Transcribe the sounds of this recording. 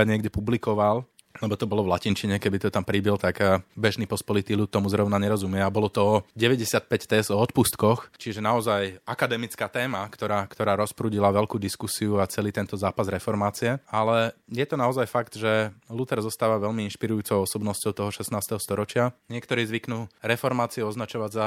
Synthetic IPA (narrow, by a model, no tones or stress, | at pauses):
aɲɪɛɡɟɛpublikɔʋal | lɛbɔt̪ɔbɔlɔʋlacint͡ʃiɲɛkɛbit̪ɔt̪ampɾibilt̪aɡbɛʒnipɔspɔlit̪iːlut̪ːɔmuzɾɔʊnaɲɛɾɔzumɪɛabɔlɔt̪ɔɔɟɛʋɛɟɛsɪat̪̚pɛct̪ɛzd̪ɔɔt̪pust̪kɔxt͡ʃiʒɛnaɔzajakad̪ɛmit͡skaːt̪ɛːmakt̪ɔɾaːkt̪ɔɾaːɾɔspɾuːɟilaʋɛlkuːd̪iskusiuat͡sɛliːt̪ɛnt̪ɔzaːpazɾɛfɔɾmaːt͡siɛalɛjɛt̪ɔnaɔzajfakd̪ʒɛlut̪ɛɾzɔst̪aːʋaʋɛʎmiinʃpiɾujuːt͡sɔʊɔsɔbnɔscɔʊt̪ɔɦɔʃɛsnaːst̪ɛɦɔst̪ɔɾɔt͡ʃɪaɲɪɛk̚t̪ɔɾiːzʋiknuːɾɛfɔɾmaːt͡siuɔznat͡ʃɔʋaɟza